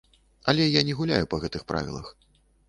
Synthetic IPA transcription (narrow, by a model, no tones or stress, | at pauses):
ɐlʲɛjanʲɛɣulʲajupɐɣɛt̪ɨxpɾʔa̰vʲḭlˠɐ̰x